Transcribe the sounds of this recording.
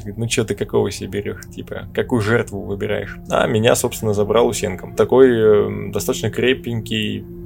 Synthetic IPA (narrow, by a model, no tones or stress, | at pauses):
ɡəɾʲit̪nut͡ɕot̪ɨkɐko̞vəsʲbʲɪɾʲo̰ʂtʲipə̰kɐkujʊʐɛrt̪vʊvɨbʲɪɾa̰jɪ̰ʂa̰mʲɪnʲa̰so̞pst̪vʲɪnːəzɐbɾalˠʊsʲenkəmt̪ɐko̞jd̪ɐst̪at̪ət͡ɕnəkɾʲepʲɪŋʲkʲɪj